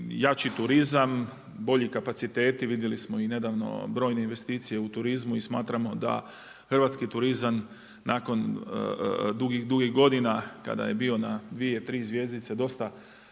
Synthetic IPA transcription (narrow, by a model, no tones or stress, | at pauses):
jat͡ʃit̪uɾizam | bo̞ʎikapat̪sit̪e̞ːt̪iʋid̪jelismoine̞d̪aʋno̞̰bɾo̞ːjne̞inʋe̞st̪iːt̪sije̞ut̪uɾizmuismaːt̪ɾamo̞d̪a̰ | xrʋaːt̪skit̪uɾizan | naːko̞n̰ | d̪uɡixd̪uɡiɣɡo̞d̪inaka̰d̪a̰jebio̞nad̪ʋie̞t̪ɾiːzʋje̞zd̪it̪sed̪o̞st̪a